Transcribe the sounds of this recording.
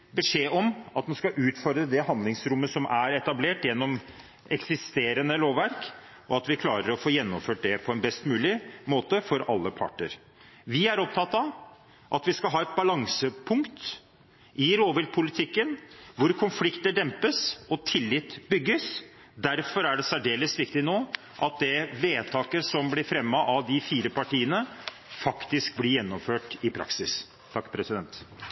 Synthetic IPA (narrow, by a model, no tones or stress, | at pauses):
bəʂeːʔɔmɑt̪̚mɛnskɑʔʉːt̪fɔɾd̪ɾəd̪ɛɦɑnd̪lɪŋsɾʊmːəsɔmʔæɾɛt̪ɑbleːʈjɛnːɔm | ɛksɪst̪eːɾənəloːʋæɾk | ʔɔɑt̪ʋɪkʰlɑːɾəɾɔfoːjɛnːɔmføːʈ̚d̪ɛpʰɔɛnbɛst̪mʉːlɪmoːt̪əfɔɾɑ̰lːəpʰɑ̰ʈːə̰ɾ | ʋɪæɾɔp̚t̪ʰɑt̪ːɑ | ʔɑt̪ʋɪskɑlɦɑːɛt̪̚bɑlɑŋsəpʰʊŋkt̪ | ɪɾoːʋɪl̚pʰʊlɪt̪ʰɪkːənʋʊɾkʰʊnflɪkt̪əɖɛmpəsɔt̪ʰɪlːɪt̪ːbʏɡːəs | d̪æɾfɔɾæɖɛsæɖeːləsʋɪkt̪ɪnoː | ʔɑt̪̚d̪ɛʋeːt̪ʰɑːkəsɔmblɪɾfɾɛmːɑʔɑd̪ɪfiːɾəpʰɑʈiːənə | fɑkt̪ɪsk̚blɪɾjɛnːɔmføːʈɪpʰɾɑ̰ksɪs | t̪ʰːɑkːpʰɾɛsɪd̪ɛnt̪